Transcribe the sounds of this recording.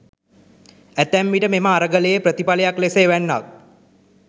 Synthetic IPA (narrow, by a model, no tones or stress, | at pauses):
æt̪æmːiʈəmeməaɾəɡələjepɾət̪ipaləjakleseʋænːa̰k̚